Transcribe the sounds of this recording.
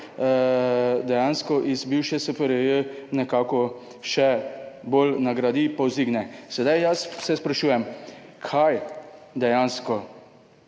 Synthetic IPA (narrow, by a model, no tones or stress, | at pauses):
d̪ɛjaːnskɔʔizbiwʃɛsɛpɛɾɛənɛkaːkɔ | ʃɛbolnaɡɾad̪ipawziɡnɛsɛd̪ajjassɛspɾaʃuːjɛmkʰajd̪ɛjanskɔ